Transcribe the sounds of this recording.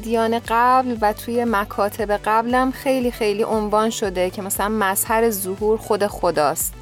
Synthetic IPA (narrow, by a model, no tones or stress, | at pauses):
d̪ijɒːneɢæblvæt̪ʰuːje̞mækʰɒːt̪ʰe̞be̞ɢæblæmxe̞jliːxe̞jliːʔonvɒːnʃo̞d̪e̞cʰe̞mæsælænmæz̥hæɾe̞zohuːɾxo̞d̪e̞xod̪ɒːst̪